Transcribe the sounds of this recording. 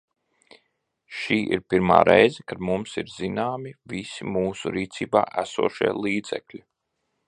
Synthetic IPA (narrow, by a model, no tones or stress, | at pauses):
ʃiːʔḭɾpiɾma̰ːɾʔɛjzɛkad̪mumsiɾz̥inaːmivisimuːsṵɾiːt̪siːba̰ːʔæsṵɔʃiɛlˠiːd̪z̥ɛ̰klʲi